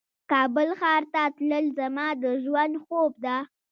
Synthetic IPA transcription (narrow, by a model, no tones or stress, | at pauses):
kɑbəlxɑɾt̪at̪ləlzamɑd̪əʒwand̪xob̚d̪a